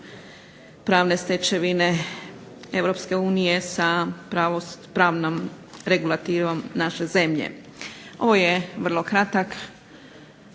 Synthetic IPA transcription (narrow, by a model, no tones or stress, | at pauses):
pɾaːʋne̞st̪et͡ʃeʋine̞ | e̞ʋɾo̞pske̞uːnije̞sapɾaʋopɾaːʋnom | ɾeɡulˠat̪iʋomnaʃe̞ze̞mʎḛ | o̞ʋo̞jeʋr̩lˠo̞kɾat̪ak